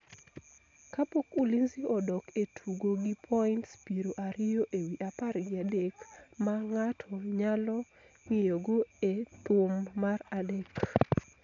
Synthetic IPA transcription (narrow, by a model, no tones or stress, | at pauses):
kapokulinziɔdɔketʰuɡoɡipʰɔintspiɾoʔaɾɪjoʔewiʔaparɡɪadekmaŋatʰɔɲalɔ | ŋijoɡoet̪omːaradek